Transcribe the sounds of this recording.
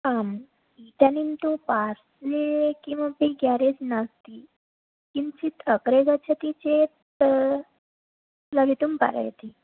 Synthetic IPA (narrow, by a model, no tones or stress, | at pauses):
am | it̪anint̪upaɾsekĩw̃ʋabeɡjaɾed͡znast̪i | kint͡ɕit̪ʰəkɾeɡat͡ɕʰat̪it͡ɕet̪ | laʋit̪umpa̰ɾə̰jt̪i